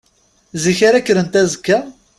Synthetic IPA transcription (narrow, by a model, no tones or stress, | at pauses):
ziçaɾækːəɾənt̪æzəkːa